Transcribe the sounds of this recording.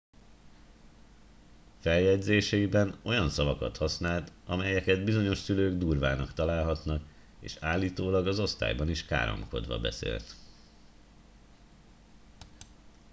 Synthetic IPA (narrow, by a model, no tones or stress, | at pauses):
fɛljɛɟzeːʃɛibɛno̞jɒnsɒvɒkɒt̪hɒsnaːlt̪ɒmɛjɛkɛd̪bizo̞ɲo̞ʃsyløːɡd̪uːrvaːnɒkt̪ɒlaːlɦɒt̪nɒk | ḛːʃaːlːiːt̪oːlɒɡɒzo̞st̪a̰ːjbɒniʃka̰ːɾo̰mko̞̰d̪ʋɒ̰bɛ̰sḛːlt̪